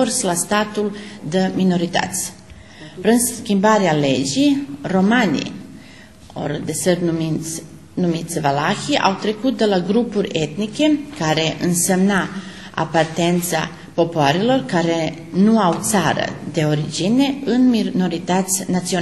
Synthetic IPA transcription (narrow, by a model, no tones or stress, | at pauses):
orslast̪at̪uld̪əmino̞ɾit̪a̰t̪sʲ | pɾinskʲimbaɾeale̞d͡ʒijro̞manḭ | o̰rd̪e̞sər | numit̪sʲvalaxiʔa̰wt̪ɾe̞kut̪̚d̪e̞laɡɾupuɾʲe̞t̪nikʲe̞kaɾe̞ʔɨnse̞mna | a̰part̪e̞nt̪sa̰ | po̞poaɾelo̞rkaɾe̞ | nuawt̪saɾə̰d̪e̞o̞ɾid͡ʒine̞ɨnmino̞ɾit̪at̪sʲnat̪sio